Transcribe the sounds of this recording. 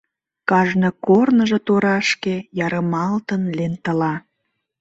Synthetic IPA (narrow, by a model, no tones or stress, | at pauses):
kɑʒnɤ̆kornəʒe̽t̪oɾɑʃkejɑɾəmɑlt̪ənlent̪ə̆lɑ